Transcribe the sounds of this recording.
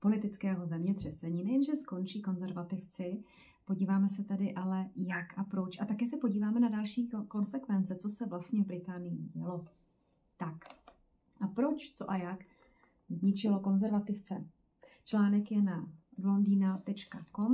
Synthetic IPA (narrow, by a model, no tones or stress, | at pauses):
po̞lɪt̪ɪt͡skɛːɦo̞zɛmɲɛt̪r̝̥ɛsɛɲiːnɛjɛnʒɛsko̞nt͡ʃiːko̞nzɛɾvat̪ɪft͡sɪ | po̞ɟiːvaːmɛs̬ɛt̪ɛdɪʔalɛjakʔapɾo̞t͡ʃʔat̪akɛːsɛpo̞ɟiːvaːmɛnadalʃiːko̞nsɛkvɛnt͡sɛt͡so̞sɛvlast̪ɲɛvbɾɪt̪aːnɪjḭɟɛlo̞ | t̪ak | ʔapɾo̞t͡ʃt͡so̞ʔajak | zɲɪt͡ʃɪlo̞ko̞nzɛɾvat̪ɪft͡sɛ | t͡ʃlaːnɛkjɛnazlo̞ndiːnat̪ɛt͡ʃkako̞m